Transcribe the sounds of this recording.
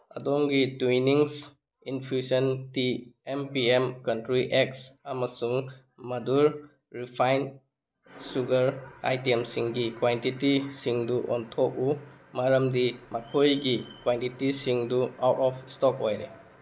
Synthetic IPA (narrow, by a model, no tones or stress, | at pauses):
a̰dɔŋɡituiniŋs | infʰusəntiempiemkantɾiʔeksamasuŋ | maduɾ | ɾipʰajn | suɡəɾa̰jtiemsiŋɡikwantitisiŋduʔɔ̰ntʰɔk̚umaɾɐmdimakʰojɡikwantitisiŋdua̰wtɔpstɔk̚ɔjle